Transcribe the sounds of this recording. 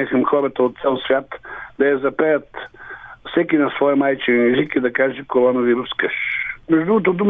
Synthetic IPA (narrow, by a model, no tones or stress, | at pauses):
ɛxəmxɔɾɐt̪əot̪t̪sɛlˠsvʲjat̪d̪̥ɐjɐzɐpɛjət̪ | fsɛkinɐsvɔjəmajt͡ʃɛnɛʒikid̪ɐkaʒɛkoɾɔnɐviɾuskəʃmɛʒd̪ɾuɡot̪od̪um